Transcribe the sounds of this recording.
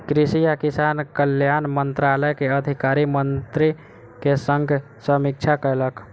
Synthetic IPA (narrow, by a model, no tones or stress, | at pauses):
kɾisijakisankəljanmənt̪ɾaləjkeəd̪ʱikaɾimənt̪ɾi | kesəŋɡʱ | səmik̚t͡ʃʰakəɾlək